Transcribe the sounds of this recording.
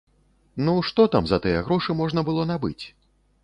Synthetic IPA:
nuʂt̪ɔt̪amzɐt̪ɨjɛɣɾɔʂɨmɔʐnɐbɨlˠɔnabɨt͡sʲ

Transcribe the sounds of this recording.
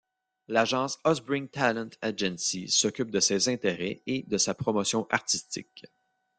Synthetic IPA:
laʒɑ̃ːsɔzbɪ̃ŋt̪alɛ̃nt̪ʰad͡ʒɛ̃nsisɔkʲyp̚d̪əsezɛ̃t̪eʁɛed̪əsapχɔmɔsjɔ̃ʔaʁt̪ist̪ɪ̰k

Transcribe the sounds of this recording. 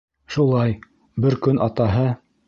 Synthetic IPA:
ʃulˠɑj | bɘɾkɵnʔɑt̪ɑɦɤ

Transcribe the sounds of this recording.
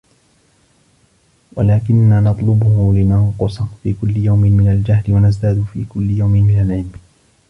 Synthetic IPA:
walaːkɪnːaːnɑt̪ˤlʊbʊhʊlɪnɑɴqʊsˤɑfiːkʊlːɪjawmɪmɪnald͡ʒaɦlɪwanazd̪aːd̪ʊfiːkʊlːɪjawmɪmɪnalʕɪlm

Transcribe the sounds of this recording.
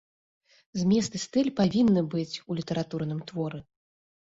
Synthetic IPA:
zʲmʲɛst̪ɨst̪ɨlʲpavʲinːɨbɨt͡sʲulʲit̪ɐɾat̪urnɨmt̪vɔɾɨ

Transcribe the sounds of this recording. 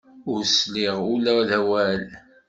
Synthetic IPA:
ʊɾsliʁulæðæwæl

